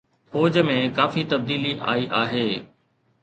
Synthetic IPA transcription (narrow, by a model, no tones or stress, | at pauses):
foːd͡ʑəmẽkaːfit̪ɐb̚d̪iːliʔa̰ːiʔaːɦeː